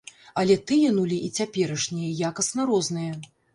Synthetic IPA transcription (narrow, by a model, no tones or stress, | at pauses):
ɐlʲɛt̪ɨjɛnulʲiʔit͡sʲapʲɛɾɐʂnʲijɐjakɐsnɐɾɔznɨjɐ